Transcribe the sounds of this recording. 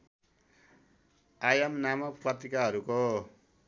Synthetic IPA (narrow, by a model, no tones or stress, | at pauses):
ajʌmnamʌkprʌt̪ikaɦʌɾuko